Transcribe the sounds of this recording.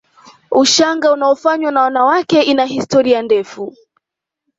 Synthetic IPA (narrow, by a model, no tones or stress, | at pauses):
uʃaŋɡaunaɔfaɲwanawanawakɛʔinahistɔɾiandɛfu